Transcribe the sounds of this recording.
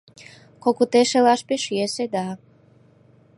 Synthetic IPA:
kokut̪eʃelɑʃpeʃjesed̪ɑ

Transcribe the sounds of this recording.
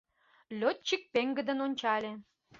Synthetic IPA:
lʲot̪̚t͡ɕik̚peŋɡə̆d̪ə̆nonʲt͡ɕɑlʲe

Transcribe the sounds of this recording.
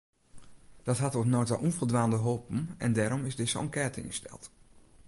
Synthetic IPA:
d̥ɑtɦaɑtotnojtalʔunvolˠdʋaːndəɦoːpn̩ɛndɛɾɔmɪzdɪsoɔŋkɛːɹtɪ̰ŋəstɛ̰lˠt

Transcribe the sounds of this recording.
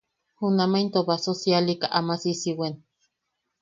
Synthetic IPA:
hunamaint̪oβasosialikaʔamasisiwen

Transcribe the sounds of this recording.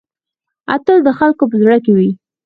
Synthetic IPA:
a̰t̪əld̪əxalkop̬əzɽəkewi

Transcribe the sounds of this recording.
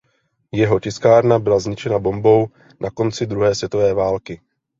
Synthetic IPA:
jɛɦo̞cɪskaːɾnabɪlazɲɪt͡ʃɛnabo̞mbo̞w | nʔako̞nt͡sɪd̪ɾuɦɛːsvjɛt̪o̞vɛːvaːlkɪ

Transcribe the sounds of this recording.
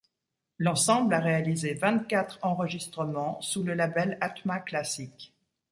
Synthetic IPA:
lɑ̃sɑ̃blaʁealizevɛ̃t̪kat̪χɑ̃ʁəʒist̪χəmɑ̃suləlabɛlat̪maklasik

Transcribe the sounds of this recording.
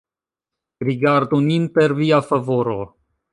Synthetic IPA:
ɾiɡaɾd̪uninpeɾviafavoɾo

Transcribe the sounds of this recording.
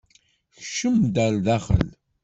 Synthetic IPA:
çʃəmd̪ælðæχə̰l

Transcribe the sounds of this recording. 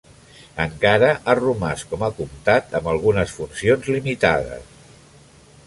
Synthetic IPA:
əŋkaɾəʔarumaskɔmakumt̪at̪əmbəlˠɣunəsfunsionzlimit̪aðə̰s

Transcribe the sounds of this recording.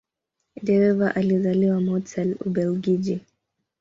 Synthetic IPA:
dɛɾɛvaʔalizaliwamɔtʰɛlṵbɛlɡid͡ʒi

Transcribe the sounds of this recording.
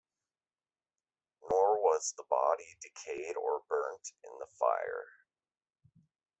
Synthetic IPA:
nɔɹwʌzðəbɑ̰ɾidɨkʰeɪɾə˞bɜ̰̃˞ntɪ̰̃nðəfa̰ɪə̰˞

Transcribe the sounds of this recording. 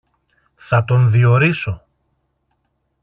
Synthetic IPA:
θɐt̪o̞nðio̞ɾiso̞

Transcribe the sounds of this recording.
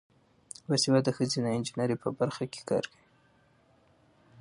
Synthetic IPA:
wasiwad̪əxəzinaɪnd͡ʒinaɾepəbaɾxake̥kɑ̰ɾkəi

